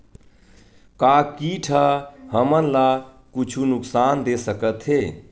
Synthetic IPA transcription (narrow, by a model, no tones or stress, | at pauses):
kakiʈʰaɦəmənla | kʊt͡ʃʰunʊksaːnd̪esəkət̪ɦeː